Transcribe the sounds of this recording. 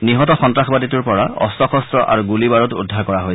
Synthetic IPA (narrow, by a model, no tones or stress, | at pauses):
niɦɔtɔxɔntɹaxbadituɹpɔɹaɔ̰stɔxɔstɹɔʔa̰ɹuɡulibaɹɔtṵdʱːaɹkɔɹaɦoj